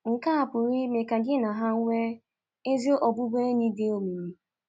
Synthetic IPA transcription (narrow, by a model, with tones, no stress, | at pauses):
ŋ̩˨ka˦a˨pʊ˨ɾɪ˦me˨ka˨ɡɪ˦na˨ɦa˦ŋ̩˦ŋʷe˦ | e˦zo˦ʔɔ˨bʊ˦be˦e˦ni˦de˦o˨mi˨ɾi˦